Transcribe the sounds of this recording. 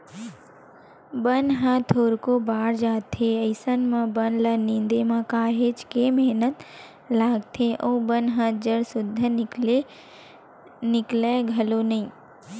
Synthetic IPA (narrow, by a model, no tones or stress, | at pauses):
bənɦãt̪ʰoːɾkobaːɾd͡ʒaːt̪ʰeəɪsənmãbənlənɪ̃nd̪emãkaːɦet͡ʃkemɛɦnət̪ | laːɡt̪ʰeʔoːbənɦãd͡ʒəɽsʊd̪ʱːə | nɪkleɡʱəlonɐĩː